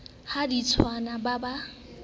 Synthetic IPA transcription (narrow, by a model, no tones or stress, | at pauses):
hadit͡sʰwanababa